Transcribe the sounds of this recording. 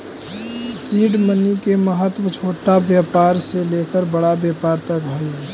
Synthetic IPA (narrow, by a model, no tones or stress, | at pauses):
siːɖmənikeməɦət̪wət͡ʃʰoːʈabjəpaːɾselekəɾbəɽabjapaːɾt̪əkɦoi